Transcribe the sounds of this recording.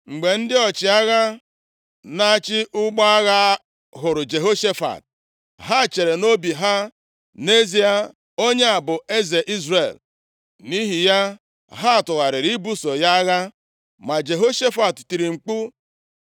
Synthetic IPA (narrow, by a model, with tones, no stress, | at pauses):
ŋ͡m̩˨ɡ͡be˨n̩˦dɪ˦ɔ˨t͡ʃɪ˨a˦ɣa˦ | na˦a˦t͡ʃɪ˦ʔʊ˦ɡ͡bɔ˦a˦ɣa˦ | ɦʊ˨ɾʊ˨d͡ʒe˨ɦo˦ʃe˦fa̰˨t̚ | ɦa˦˨t͡ʃe˨ɾe˨no˦bi˨ɦa˦ | ne˦zi˦a˦ | o˦ɲe˦a˨bʊ˨e˦ze˨ʔi˦zrḛ˨l | ni˦ɦi˨ja˦ | ɦa˦a˨tʊ˨ɣa˨ɾɪ˨ɾi˦bu˦so˨ja˦ɣa˦ | ma˨d͡ʒe˨ɦo˦ʃe˦fa˨tti˨ɾi˨ŋ͡m̩˨k͡pu˦